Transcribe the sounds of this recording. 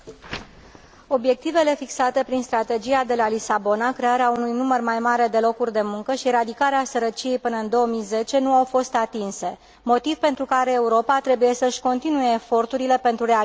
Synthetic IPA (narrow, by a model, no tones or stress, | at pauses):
o̞bje̞k̚t̪ive̞le̞fiksat̪e̞pɾinst̪ɾat̪e̞d͡ʒiad̪e̞lalisabo̞nakɾe̞aɾeaunujnumərmajmaɾe̞d̪e̞lo̞kurʲd̪e̞muŋkəʃiɾad̪ikaɾeasəɾət͡ʃije̞jpɨnəɨnd̪o̞əmijze̞t͡ʃe̞nuawfo̞st̪at̪inse̞ | mo̞t̪ivpe̞nt̪ɾukaɾe̞ːuɾo̞pat̪ɾe̞buje̞səɨʃʲko̞nt̪inuje̞ːfo̞rt̪uɾile̞pe̞nt̪ɾuɾea